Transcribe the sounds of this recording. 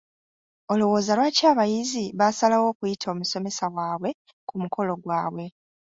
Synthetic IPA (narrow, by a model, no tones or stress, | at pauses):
o̞luwo̞ːzalwacaːβajiziβasalawo̞ːkujitʰo̞ːmuso̞me̞sawaːβwe̞ | kumukʰo̞lo̞ɡwaːβwe̞